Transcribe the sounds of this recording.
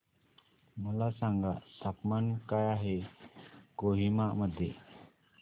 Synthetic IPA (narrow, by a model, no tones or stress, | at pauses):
məlasaŋɡa̰sapmankajaɦe | koɦimaʔməd̪ʱːjḛ